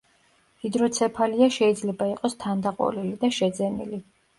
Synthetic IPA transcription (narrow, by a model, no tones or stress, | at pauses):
vid̪ɾɔt̪sʰɛpʰaliaʃɛid̪zlɛbaiqʼɔst̪ʰand̪aqʼɔ̰lilid̪aʃɛd̪zɛnḭli